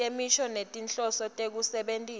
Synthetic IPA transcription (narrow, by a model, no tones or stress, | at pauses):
emiʃɔnetʼint͡ɬʼɔsɔtʼek̬usɛɓentʼiː